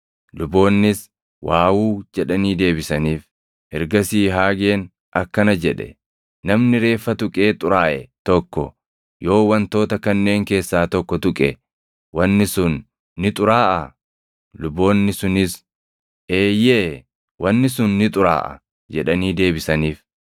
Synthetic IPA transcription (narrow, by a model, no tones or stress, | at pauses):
lʊbo̞ːnːɪs | waːwuːd͡ʒɛᶑɐniːd̪e̞ːbɪsɐniːf | hɛɾɡɐsiːɦaːɡe̞ːn | ʔɐkːɐnɐd͡ʒɛᶑɛ̰ | nɐmnɪɾe̞ːfːɐt̪ʊkʼe̞ːt̪ʼʊɾaːʔɛt̪ɔkːɔ̰ | jo̞ːwɐnt̪o̞ːt̪ɐkɐnːe̞ːŋke̞ːsːaːt̪ɔkːɔt̪ʊkʼɛ | wɐnːɪsʊnː | ɪt̪ʼʊɾaːʔɐ | lʊbo̞ːnːɪsʊnɪs | eːjeː | wɐnːɪsʊnːɪt̪ʼʊɾa̰ːʔɐ̰ | d͡ʒɛᶑɐniːd̪e̞ːbɪsɐniːf